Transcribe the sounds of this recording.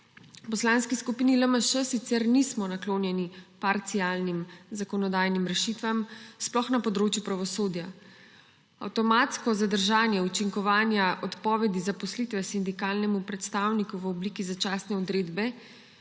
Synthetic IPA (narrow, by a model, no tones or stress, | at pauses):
upɔslanskiskupiːniləməʃəsit̪sɛɾnismɔnakloːnjɛnipaɾt̪sijaːlnimzakɔnɔd̪aːjnimɾɛʃit̪ʋamsplɔxnapɔd̪ɾoːt͡ʃjupɾaʋɔsoːd̪ja | a̰wt̪ɔmaːt̪skɔzad̪əɾʒaːnjɛut͡ʃiŋkɔʋaːnjaʔɔt̪pɔːʋɛd̪izapɔslit̪ʋɛsind̪ikaːlnɛmupɾɛt̪st̪aːwnikuʋəɔbliːkizat͡ʃasnɛɔd̪ɾeːd̪bɛ